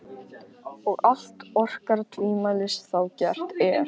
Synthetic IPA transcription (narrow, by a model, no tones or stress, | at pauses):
ɔɣal̥t̪ɔr̥kaɾt̪ʰviːmalɪsθawcɛr̥t̪ɛɾ